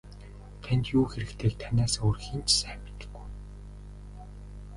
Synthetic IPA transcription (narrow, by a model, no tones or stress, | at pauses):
t̪ʰænʲt̪juːxeɾɘ̆kt̪ʰeːk̚t̪ʰanʲaːsorxiːnt͡ɕsæːmi̥t̪ɘ̥̆ɡ̥ːuj